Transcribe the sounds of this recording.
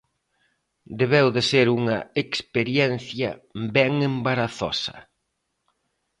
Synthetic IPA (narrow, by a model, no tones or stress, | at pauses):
d̪eβɛwðɪseɾuŋɐ̰ekspeɾjɛn̟θjɐ̰bɛŋembaɾaθɔ̰sɐ̥̰